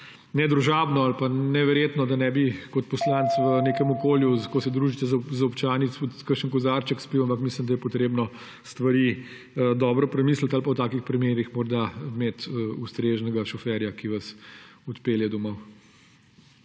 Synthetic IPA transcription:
nɛd̪ɾuʒabnɔalpanɛʋɛɾjeːt̪nɔd̪anɛbikɔt̪pɔslant̪sʋəneːkɛmɔkoːljuzkosɛd̪ɾuːʒit̪ɛzzɐɔpt͡ʃaːnit̪sput̪kəɾʃənkɔzaɾt͡ʃəkspiwampɐkmislimd̪ɐjɛpɔt̪ɾeːbnɔ | st̪ʋɐɾiː | əd̪ɔːbɾɔpɾɛmiːslət̪alpawt̪aːkixpɾimeːɾixmɔɾd̪ameːt̪əust̪ɾeʒnɛɡaʃɔfɛɾjakiʋɐsɔt̪peljɛd̪ɔmɔw

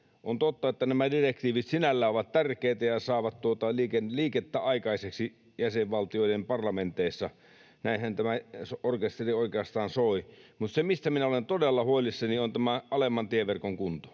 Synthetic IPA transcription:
ont̪ot̪ːɑet̪ːænæmædirekt̪iːʋit̪sinælːæːoʋɑt̪t̪ærkˑeˑːt̪æjɑsɑˑːʋɑt̪t̪uot̪ɑliːkenliːket̪ːæɑˑikɑˑiseksi | jæseʋʋɑlt̪ioˑidempɑrlɑment̪eˑisːɑ | næˑinhænt̪æmæsorkest̪erioˑikeɑst̪ɑːnsoˑimut̪semist̪æminæolent̪odelːɑhoelːˑisːɑniont̪æmæʔɑlemːɑnt̪ieʋerkoŋkunt̪o̥

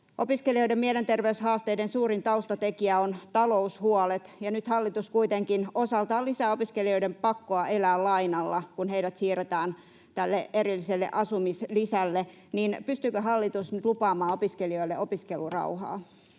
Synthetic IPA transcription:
ʔopiskelioijdemmielent̪erʋeyshɑːst̪eidensuːrint̪ɑust̪ɑt̪ekiæont̪ɑloushuɑlet̪jɑnyt̪hɑlːit̪uskuit̪eŋkinosɑlt̪ɑːlisæopiskeliojdempɑkːoɑʔelæːllɑinɑlːɑkunheidæt̪siːret̪æːn | t̪ælːeʔeɾilːiselːḛʔɑsumislisælːe | niːnpyst̪ykøɦɑlːit̪usnyt̪lupɑːmɑːopiskelio̞ilːeʔopiskelurɑ̰uhɑ̰ː

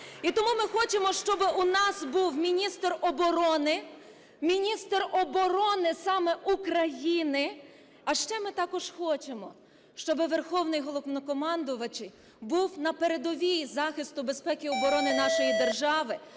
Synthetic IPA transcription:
it̪ɔmumɪxɔt͡ʃemɔʃt͡ʃɔbɪʔunɑsbuwmʲinʲist̪rɔbɔɾɔnɪ | mʲinʲist̪rɔbɔɾɔnɪsɑmɛʔukɾɐjinɪ | ɐʃt͡ʃɛmɪt̪ɑkɔʒ̥xɔt͡ʃemɔ | ʃt͡ʃɔbɪʋerxɔwnɪjɦɔlˠɔnɔkɔmɑnd̪ʊʋɐt͡ʃɪj | buwnɐpeɾed̪ɔʋʲijzɑxʲɪst̪ʊbespɛkʲiɔbɔɾɔnɪnɑʃɔjid̪e̞rʒɑʋɪ

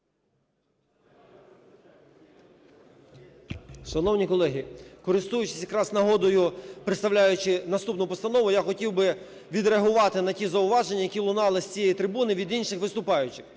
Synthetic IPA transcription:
ʃɐnɔwnʲikɔlˠɛɦʲikɔɾɪst̪ujʊt͡ʃɪ̥sʲjɐkɾɑsnɐɦɔd̪ɔjʊpɾɪt̪st̪ɐʋlʲajʊt͡ʃɪnɐst̪upnʊpɔst̪ɐnɔʋʊjaxɔtʲiwbɪ | ʋʲid̪ɾeɐɦʊʋɑt̪ɪnɐtʲizɐʊʋɑʒenʲːɐjɐkʲilˠʊnɑlˠɪsʲt͡sʲijɛjit̪ɾɪbunɪʋʲid̪inʃɪxʋɪst̪ʊpɑjʊt͡ʃɪx

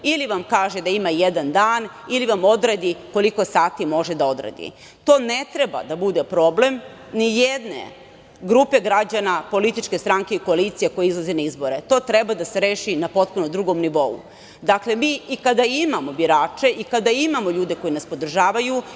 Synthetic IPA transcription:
iliʋamkaːʒe̞d̪aimajed̪and̪aːn | iliʋamo̞d̪ɾed̪iko̞liko̞saːt̪imo̞ʒe̞d̪ao̞d̪ɾḛd̪ḭ | t̪o̞ːne̞t̪ɾe̞ba̰d̪abud̪e̞pɾo̞ble̞m | nijed̪nḛ | ɡɾupe̞ɡɾad͡ʑanapo̞lit̪it͡ʃke̞st̪ɾaŋke̞ikoalit̪sijeko̞jeizlˠazenaizbo̞ɾe̞t̪o̞ːt̪ɾe̞bad̪ase̞ɾeːʃinapo̞t̪̚punod̪ɾuɡo̞mniʋo̞ṵ | d̪akle̞miːikad̪aimamo̞biɾaːt͡ʃe̞ʔikad̪aimamo̞ʎuːd̪e̞ko̞jinaspo̞d̪r̩ʒaːʋaju

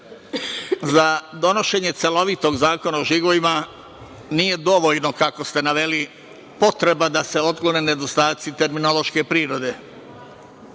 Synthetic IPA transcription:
zad̪o̞no̞ʃe̞ːɲet̪se̞lo̞ʋit̪o̞ɡzaːko̞naoʒiɡoʋima | nije̞d̪o̞ʋo̞ʎno̞kako̞st̪e̞naʋe̞li | po̞t̪ɾe̞bad̪ase̞o̞d̪ɡlonene̞d̪o̞st̪aːt̪sit̪e̞ɾmino̞lo̞ʃke̞pɾiːɾo̞d̪e̞

